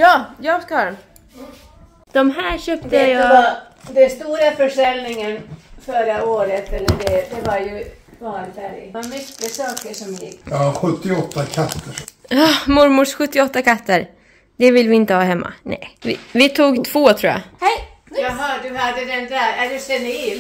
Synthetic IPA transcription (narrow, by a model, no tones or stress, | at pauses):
jɑːjɑːɡskahɑːd̪ɛn | d̪̥ɔmɦæːɾɕøːp̚t̪əjɑ | d̪ɛnst̪uːɾafœʂɛlnɪŋənfœɾaoːɾət̪ɛlːəɖɛd̪ɛvaɾjɵ | vɑːɾfæɾ̰aɾmʏkːəsɑːkəʂɔmjɪ̰kːjɑɧɵt̪ːɪɔt̪ːakʰat̪ʰːəɾjɑːmʊɾmʊʂɧɵt̪ːɪɔt̪ːakat̪ʰːəɾ | d̪ɛvɪlvɪɪnt̪əhɑːɦɛmːʔa̰nɛ̰jvɪ̰vɪt̪ʰuːɡt̪ʰv̥oːt̪ʰɾuːja̰hɛ | ɑɦɑdɵhad̪ːəd̪ɛnd̪æɾæd̪ʉsɛnːəɪl